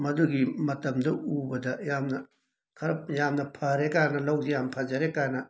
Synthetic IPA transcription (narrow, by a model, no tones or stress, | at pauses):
mɐduɡimɐtɐmdɐubɐdɐjamnɐ | kʰɐɾɐjamnɐpʰɐɾekaɾnɐlɐwd͡ʒijampʰɐd͡ʒɐɾekaɾnɐ